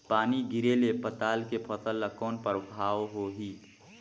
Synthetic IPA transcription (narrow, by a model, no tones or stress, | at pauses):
paːniɡɪɾelepət̪aːlkepʰɔːt̪əlːəkɔːnpəɾʊkʰaːoɦoɦiː